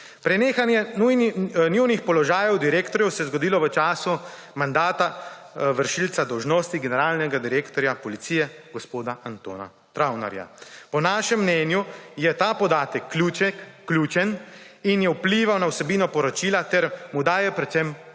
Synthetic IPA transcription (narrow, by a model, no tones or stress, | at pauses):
pɾɛneːxanjɛnujnnuwnixpɔlɔʒaːjɛwd̪iɾeːkt̪ɔɾjɛwsɛjɛzɡɔd̪iːlɔʋət͡ʃaːsu | mand̪aːt̪a | ʋəɾʃilt̪sad̪ɔwʒnoːst̪iɡɛnɛɾaːlnɛɡad̪iɾeːkt̪ɔɾjapɔlit̪siːjɛɡɔspoːd̪aʔant̪o̰ːna̰ | t̪ɾawna̰ɾja̰pɔnaːʃɛmːnɛːnjujɛt̪aːpɔd̪aːt̪ɛkʰːlut͡ʃɛkːluːt͡ʃɛninjɛwpliːʋawnawsɛbiːnɔpɔɾɔt͡ʃiːlat̪ɛɾmud̪aːjɛpɾɛt̪sɛm